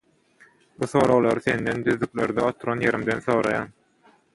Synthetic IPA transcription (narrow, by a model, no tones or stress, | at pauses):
buθo̞ːɾoɣlˠɑɾɯθe̞nd̪end̪yðlyklʲeɾd̪ɑot̪ʰuɾɑnje̞ɾimd̪enθoːɾɑ̰jɑ̰ːn